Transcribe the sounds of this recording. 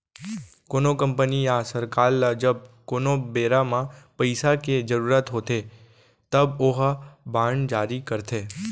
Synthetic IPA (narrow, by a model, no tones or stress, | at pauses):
konokəmpəniasəɾkalːəd͡ʒəb̚konobeɾamãpəjsaked͡ʒəɾuɾat̪ɦot̪ʰe | t̪əboɦabʱaɳd͡ʒaːɾikəɾt̪ʰe